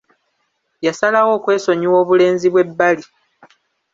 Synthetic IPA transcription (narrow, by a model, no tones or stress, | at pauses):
jasalawo̞ːkwe̞ːso̞ɲiwo̞ːβule̞ːnziβwe̞bːali